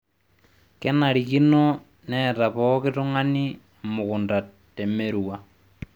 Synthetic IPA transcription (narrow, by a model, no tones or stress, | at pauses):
kenaɾikino | nɛɾaβɔkituŋani | moɣundatemeɾwa